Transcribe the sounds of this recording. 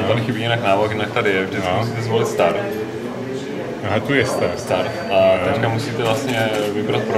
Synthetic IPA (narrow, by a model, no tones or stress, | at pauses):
anɪxɪbiːjɛnaknaːvakjɪnak̚t̪adɪjɛvd͡ʒdɪt̪t͡skmusiːt̪ɛzvolɪt̪st̪aɾt̪ | ɦat̪ujɛst̪ast̪aɾt̪ʔaɛckamusiːt̪ɛvlast̪ɲɛvɪbɾat̪̚pɾo